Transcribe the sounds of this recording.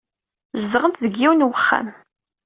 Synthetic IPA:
zðəʁənt̪ðəɡːiwnwəχːæ̰m

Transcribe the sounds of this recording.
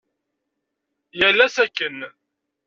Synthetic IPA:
jælːæsækːən

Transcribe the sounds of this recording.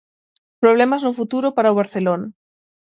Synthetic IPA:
pɾoβ̞lemaznofut̪uɾopaɾaoβaɾθelona

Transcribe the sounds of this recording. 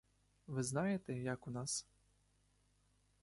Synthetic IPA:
ʋɨznajɛt̪ɛjɐkunas

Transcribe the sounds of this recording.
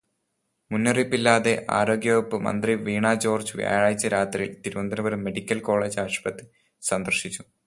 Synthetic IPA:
munːɐripːilːaːðe̞ʔa̰ːɾo̞ːɡjɐʋɐpːɨmɐ̰nd̪riʋiːɳaːd͡ʑo̞ːrd͡ʑɨʋja̰ːɻaːjit͡ɕːɐɾaːt̪riḭlt̪iɾumɐnd̪ɐnɐbɐɾumːeɽikʲːɐlko̞ːɭeːd͡ʑaːʂbɐt̪ːɨ | sɐnd̪ɐrʂit͡ɕːu

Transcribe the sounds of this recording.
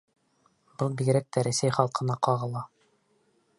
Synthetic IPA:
b̥ɤlˠbiɡɾæk̚t̪æɾæsæjχɑlˠqɤ̆nɑqɑʁɤ̆lˠɑ

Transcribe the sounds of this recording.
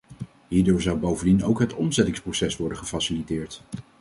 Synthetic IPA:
ɦiːɹdoːɹzʌwbowvəndinowkɦətɔmzɛtɪŋsprowsɛsʋɔɹdəχəfɑsɪlitɪːɹt

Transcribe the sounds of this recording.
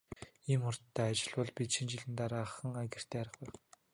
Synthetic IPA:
iːmʊrt̪ʰːæːat͡ɕɪ̆ɮpɔɮpʲit̪ʃĭnt͡ɕɪɮɘ̆nt̪aɾaːχə̆ŋaɣʲɪ̆r̥t̪ʰeːæɾə̆χpæːχ

